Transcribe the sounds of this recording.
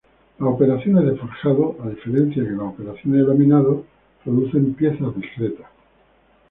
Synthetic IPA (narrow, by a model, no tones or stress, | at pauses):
laope̞ɾaθjoneðefoɾxaðo̞ʔaðife̞ɾe̞n̟θjakelaope̞ɾaθjonelomĩnaðo | pɾoðuθe̞mpje̞θazðiskɾe̞t̪ḁs